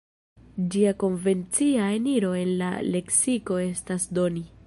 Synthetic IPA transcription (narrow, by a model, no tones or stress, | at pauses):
d͡ʒiako̞nve̞nt͡siaeniɾo̞e̞nla̰le̞ksiko̞e̞stasdo̞ni